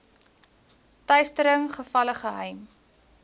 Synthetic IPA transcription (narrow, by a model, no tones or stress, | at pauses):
tœɥstəɾəŋχəfɐləχəɦɛjm